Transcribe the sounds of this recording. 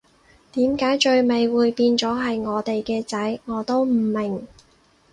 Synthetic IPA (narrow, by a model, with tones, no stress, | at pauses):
t̪iː˨˥mkaː˨˥jt͡ʃɵ˧ɥme˨jwuː˨˧jpiː˧nt͡sɔː˨˥ɦɐ˨jŋɔː˨˧t̪e˨jkɛː˧t͡sɐ˨˥jŋɔː˨˧t̪o˥wm̩˨˩mɪ˨˩ŋ